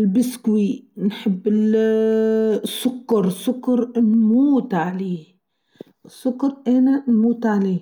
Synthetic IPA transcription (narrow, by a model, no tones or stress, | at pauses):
lbɪskwinħɪbːɪl | sːʊkːɑɾˤsʊkːɑɾˤnmuːt̪ʕaleː | sːʊkːɑɾˤʔananmuːt̪ʕaleː